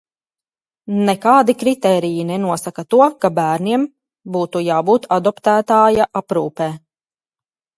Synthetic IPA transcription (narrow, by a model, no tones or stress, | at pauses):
nɛkaːd̪ikɾit̪ɛːɾijinɛnuɔsakat̪uɔkabæːɾniɛm | buːt̪ujaːbuːt̪ʰad̪ɔpt̪æːt̪aːjaʔapɾuːpɛː